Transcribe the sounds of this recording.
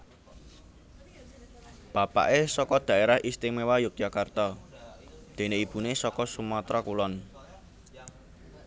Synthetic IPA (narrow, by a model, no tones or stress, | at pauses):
b̥a̤pa̰ʔesɔkɔd̪̥ä̤ʔeɾahʔist̪ɪŋmewajʊk̪̚jakart̪ɔ | d̪̥e̤neib̥unesɔkɔsumɔt̪ɾɔkulɔn